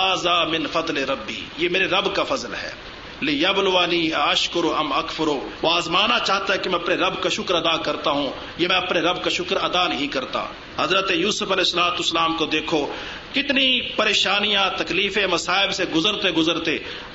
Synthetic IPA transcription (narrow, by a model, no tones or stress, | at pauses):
aːzaːmɪnfɐd̪leɾɐbːḭːjeːmeːɾeɾɐbkafɐzəlɦɛ̰ː | lɪjɐblʊʋaːniːɐʃkʊɾoɐmɐkfʊɾoaːzmaːnat͡ʃaːɦt̪aɦɛkemɛ̃ɐpneɾɐbkaʃʊkəɾɐd̪akɐɾt̪aɦũ | jeːmɛ̃ɐpneɾɐbkaʃʊkəɾɐd̪aːnɐɦĩkɐɾt̪a̰ː | hɐzɾət̪ejuːsəfɐlɛːsːəlaːt̪ʊsːəlaːmkod̪eːkʰo | kɪt̪nipɐɾeːʃaːnijãt̪ɐkliːfẽmɐsaːɪbseɡʊzəɾt̪eɡʊzəɾt̪eː